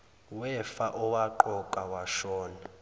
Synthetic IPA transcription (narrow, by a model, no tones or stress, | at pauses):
wɛfaʔɔwaǃɔkʼawaʃɔːna